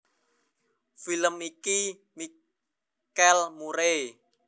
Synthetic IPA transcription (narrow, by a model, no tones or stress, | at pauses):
filəmiki | mi | kɛlmuɾe